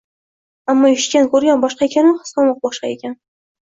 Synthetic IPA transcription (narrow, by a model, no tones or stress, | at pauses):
amːɒɪʃkʲankɵɾɡʲanbɒʃqɑekʲʰanɪnχɨ̥sqɑmɒq̚bɒʃqɑekʲan